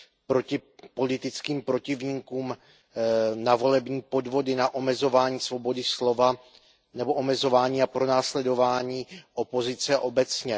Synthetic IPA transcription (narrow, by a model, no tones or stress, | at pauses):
pɾo̞cɪpo̞lɪt̪ɪt͡skiːmpɾo̞cɪvɲiːkuːm | navo̞lɛbɲiːpo̞dvo̞dɪnaʔo̞mɛzo̞vaːɲiːsvo̞bo̞dɪslo̞va | nɛbo̞ʔomɛzo̞vaːɲiːapɾo̞naːslɛdo̞vaːɲiːʔo̞po̞zɪt͡sɛʔo̞bɛt͡sɲɛ